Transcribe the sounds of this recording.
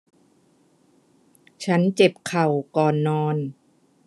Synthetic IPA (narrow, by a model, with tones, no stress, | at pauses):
t͡ɕʰa˦˥nt͡ɕe˨˩p̚kʰa˨˩wkɔː˨˩nːɔː˧n